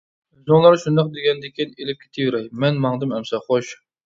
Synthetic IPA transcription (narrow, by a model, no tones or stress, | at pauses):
zoŋlˠɑɾʃund̪ɑq̚d̪eɡʲɛnd̪ɪkʲʰinelɪp̚kʲʰe̥t̪ʰɪjyɾɛjmɛnmɑŋd̪ɨmɛmsɑχoʃ